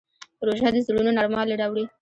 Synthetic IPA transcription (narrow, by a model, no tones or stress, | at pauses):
pɾoʒad̪əzɪɽunonɑɾmɑleɽawɽi